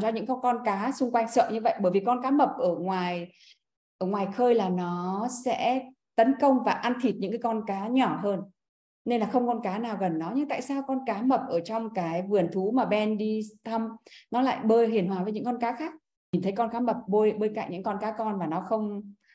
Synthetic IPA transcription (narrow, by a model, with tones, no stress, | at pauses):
mzɔ˧ɲɨ̰˧˥ŋkkɔ˧nkaː˨˦sʊ˧ŋ͡mkwa˧jŋ̟sə̰ː˧˨ɲɨ˧və̰˧˨jɓəː˧˩jvi˨˩kɔ˧nkaː˨˦mə˨˩p̚ʔəː˧˩ŋwaː˨˩j | ʔəː˧˩ŋwaː˨˩jxəː˧jlaː˨˩nɔ˨˦sɛ̰˧˥ | t̪ə˨˦nkə˧wŋ͡mvaː˨˩ʔa˧nt̪ʰi˨˩t̚ɲɨ̰˧˥ŋkaː˨˦kɔ˧nkaː˨˦ɲɔ˧˩ɦəː˧n | ne˧nlaː˨˩xə˧wŋ͡mkɔ˧nkaː˨˦naː˨˩wɣə˨˩nːɔ˨˦ɲɨ˧ŋt̪a̰ː˧˨jsaː˧wkɔ˧nkaː˨˦mə˨˩p̚ʔəː˧˩t͡ɕɔ˧wŋ͡mkaː˨˦jvɨ˧˨˩ənt̪ʰu˨˦maː˨˩ɓɛ˧nɗi˧t̪ʰə˧mnɔ˨˦la̰ː˧˨jɓəː˧jɦi˨˩ənhwaː˨˩vəː˨˦ɲɨ̰˧˥ŋkɔ˧nkaː˨˦xaː˦˥k̚ | ɲi˨˩nt̪ʰə˨˦jkɔ˧nkaː˨˦mə˨˩p̚ɓo˧jɓə˧jka̰ː˧˨ŋɲɨ̰˧˥ŋkɔ˧nkaː˨˦kɔ˧nmaː˨˩nɔ˨˦xə˧wŋ͡m